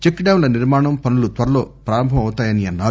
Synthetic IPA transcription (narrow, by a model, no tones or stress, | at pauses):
t͡ʃekɖɐːwnlɐniɾmaːɳɐmpɐnulut̪ʋɐɾɐlo̞ːpɾaːɾɐmbʱɐmɐwut̪aːjɐniɐnːaː